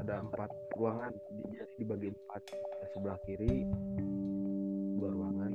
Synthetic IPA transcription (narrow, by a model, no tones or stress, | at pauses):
adaəmpat̪̚ruaŋandid͡ʒadidibaɡiəmpat̪̚asəbəlahkiɾi | duaɾuaŋan